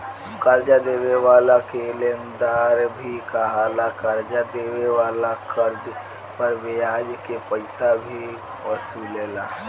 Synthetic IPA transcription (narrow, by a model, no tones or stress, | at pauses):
kaɾd͡ʒad̪eweʋaːlakelend̪aːɾbʱikaɦalakaɾd͡ʒad̪eweʋaːlakəɾd͡ʒ | pəɾbejad͡ʒkepəɪsabʱi | əsulela